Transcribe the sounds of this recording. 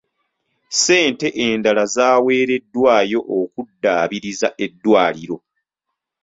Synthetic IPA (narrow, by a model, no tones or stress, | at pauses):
se̞ːnte̞ʔeːndalazaːwe̞ːɾe̞dːwaːjo̞ʔokudːaːβiɾizaʔe̞dːwaːliɾo̞